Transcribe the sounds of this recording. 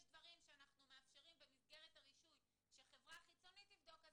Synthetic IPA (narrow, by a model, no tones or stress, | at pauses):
jʃdvaʁimʃeanaχnumeafʃe̞ʁimbemisɡe̞ʁetaʁiʃuj | ʃeχe̞vʁaχit͡so̞nitlivd̪o̞ka